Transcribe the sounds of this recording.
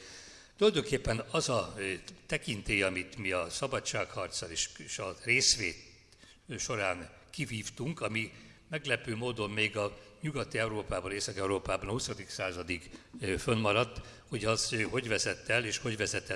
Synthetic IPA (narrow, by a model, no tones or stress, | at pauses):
t̪ulɒjd̪oŋkeːpːɛnɒzɒt̪ɛkint̪eːjɒmit̪miɒsɒbɒtt͡ʃːʃaːkhɒrt̪sɒleʃʃɒreːsʋeːt̪ | ʃo̞ɾaːn | kiviːft̪uŋkɒmi | mɛɡlɛpøːmoːd̪o̞mmeːɡɒɲuɡɒt̪iɛuɾoːpaːbɒneːsɒkɛuɾoːpaːbɒnɒhusɒd̪iksaːzɒd̪ikfønmɒɾɒt̪ː | ho̞ɟɒzɦo̞ɟvɛzɛt̪ːɛleːʃho̞ɟʋɛzɛt̪ːɛ